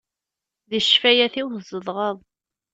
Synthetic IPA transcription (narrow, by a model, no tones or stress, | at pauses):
ðəʃfæjæθiwθzəðˤʁəðˤ